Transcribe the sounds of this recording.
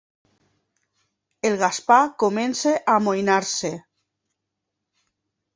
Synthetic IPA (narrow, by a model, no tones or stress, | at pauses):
elˠɣaspakomenseʔamojnaɾse